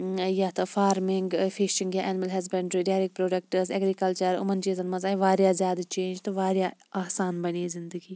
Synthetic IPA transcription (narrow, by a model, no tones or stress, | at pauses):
jaːt̪ɐfaːɾmɪŋɡfʰiʃɪ̃ŋɡjaʔɛnɪmɐlɦɐzbɐɳɖɾiɖaːɾik̚pɾoːɖɐk̚ʈəɾzɐɡɾikɐlt͡ʃəɾʊ̰mɐnt͡ʃiːzɐnmɐzaːiʋaːɾjazjaːd̪at͡ʃẽːnd͡ʒt̪oʋaːɾjaaːsaːnbɐnizɪnd̪əɡiː